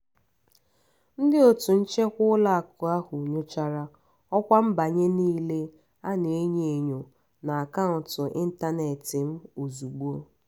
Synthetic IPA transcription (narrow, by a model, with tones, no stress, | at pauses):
n̩˦dɪ˦o˨tu˨n̩˦t͡ʃe˦kʷʊ˦la˦a˨kʊ˨a˦ɦʊ˨ɲo˦t͡ʃa˦ɾa˦ | ɔ˦kʷa˦m̩˦ba˨ɲe˦niː˦le˦ | a˦ne˨e˦ɲe˦˨e˨ɲo˨ | na˨a˨ka˦ʊ˨tʊ˨ʔɪ˦n̩˦ta˦ne˨tɪ˨m̩˦u˨zu˨ɡ͡bu˦o˦